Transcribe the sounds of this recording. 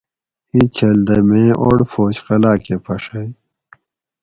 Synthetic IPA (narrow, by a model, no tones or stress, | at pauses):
it͡ɕʰɐld̪ɐmẽːʔo̰ɽfoːt͡ɕqɐlaːkepʰɐʂɐj